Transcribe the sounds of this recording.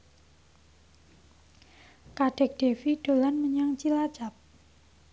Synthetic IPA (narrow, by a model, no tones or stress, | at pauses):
kaɖ̥ɛ̤k̚ɖ̥e̤fiɖ̥o̤lanməɲaŋt͡ʃilḁd͡ʒ̥a̤p̚